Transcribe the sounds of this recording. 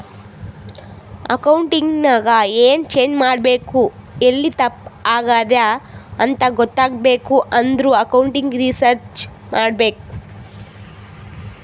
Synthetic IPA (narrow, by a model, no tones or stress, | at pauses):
ɐ̰kɐwɳʈiŋɡnaːɡɐeːnt͡ʃe̞ːɲd͡ʒmaːɽbe̞ːkuelːit̪ɐpːaːɡaːd̪aɐnt̪ɐɡɔt̪ːaːɡbeːkuʔɐnd̪ɾuːɐkɐwuɳʈiŋɡɾisɐɾt͡ʃ | mʔaːɽbe̞ːku